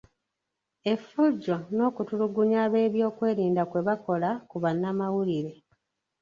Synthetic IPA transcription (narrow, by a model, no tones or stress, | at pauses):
e̞fuɟo̞no̞ːkutuluɡuɲaːβe̞ːβjo̞ːkwe̞ːɾiːndakwe̞βako̞lakuβanːamawuliɾe̞